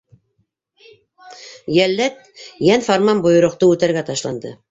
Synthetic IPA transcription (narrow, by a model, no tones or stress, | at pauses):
jælːæt̪̚ | jænfoɾmɑmbŏjŏɾŏqt̪ɤʉt̪æɾɡæt̪ɑʃlˠɑnd̪ɤ